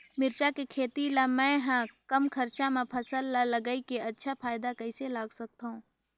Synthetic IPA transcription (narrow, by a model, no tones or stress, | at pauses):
mɪɾt͡ʃakekʰeːt̪ilamɛ̃ɦɛ̃kɐmkʰɐɾt͡ʃamẽpʰɐsəlːalɐɡəikeɐtːʃʰapʰaːjd̪akɐɪselaːɡsɐk̚t̪aɦũː